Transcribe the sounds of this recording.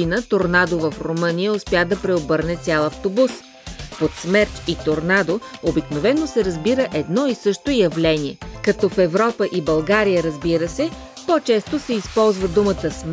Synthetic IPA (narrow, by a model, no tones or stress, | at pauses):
inət̪oɾnad̪ovəfɾomɤnijəospjad̪ɐpɾɛobɤɾnɛt̪sʲjalˠɐft̪obus | pot̪smɛɾt̪it̪oɾnad̪oobiknovɛnːosɛɾɐzbiɾəʔɛd̪nɔisɤʃt̪oijɐvlɛniɛkɐt̪ɔfɛvɾɔpəʔibɐlˠɡaɾijəɾəzbiɾəsɛ | pot͡ʃɛst̪osɛispɔlˠzvəd̪umət̪əsm